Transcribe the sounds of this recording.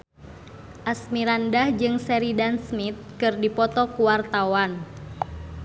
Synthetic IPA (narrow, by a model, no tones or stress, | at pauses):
ʔasmiɾandahd͡ʒɨŋsɛɾidansmit̪̚kɨrdipɔt̪ɔkuwart̪awan